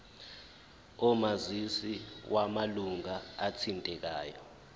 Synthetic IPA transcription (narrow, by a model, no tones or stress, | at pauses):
ɔmazisiwʔamaluŋaːt͡sʰintʼɛk̬aːjɔ